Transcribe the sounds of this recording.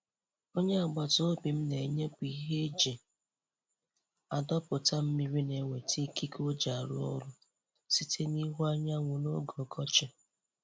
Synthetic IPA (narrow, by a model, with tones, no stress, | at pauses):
o˦ɲe˦a˨ɡ͡ba˨to˦bi˨m̩˦ne˨ɲe˦kʷi˨˦ɦe˦d͡ʒe˨ | a˨dɔ˦pʊ˨ta˦m̩˦mi˨ɾi˦ne˨ŋʷe˨ti˦ki˦kʰo˦d͡ʒa˨ɾʊ̰˦ɔ̰˦ɾʊ˦ | si˦tʰe˦ni˦ɦa˦ɲa˦ŋʷu˨no̰˦ɡɔ˨ɡɔ˦t͡ʃɪ˨